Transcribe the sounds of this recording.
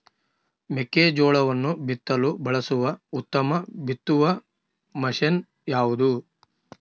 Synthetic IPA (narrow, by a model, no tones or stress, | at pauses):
mekːeːd͡ʒɔːɭɐʋɐnːubit̪ːɐlubɐɭɐsuʋɐut̪ːɐmɐbit̪ːuʋɐ | mɐʃen | jaːʋud̪u